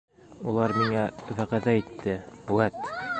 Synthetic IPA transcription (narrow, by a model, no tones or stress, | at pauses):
ulˠɑɾmiŋæðæʁæðæit̪ʰːɘwæt̪